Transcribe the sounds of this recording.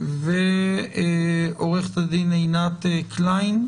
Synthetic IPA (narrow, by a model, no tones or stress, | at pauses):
ve | oʁeχt̪ad̪inejnat̪eklajn